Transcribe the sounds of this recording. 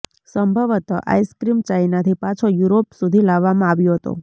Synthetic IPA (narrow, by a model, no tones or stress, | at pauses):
səmbʱəʋət̪ə̰ʔa̰jskɾimt͡ʃajinat̪ʰipãt͡ʃʰojuɾopsud̪ʱilaʋːamãaʋjoɦət̪o̰